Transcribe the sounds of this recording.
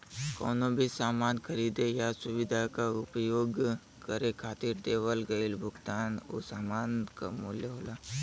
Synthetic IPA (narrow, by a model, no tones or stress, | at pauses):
ko̰ːnobʱisaːmaːnkʰɐɾiːd̪ejasʊʋɪd̪ʱakaʊpjoːɡ | kəɾekʰaːt̪iɾd̪eːʋəlɡəɪlbʱʊɡt̪aːno̰saːmaːnka̰muljəɦoːlaː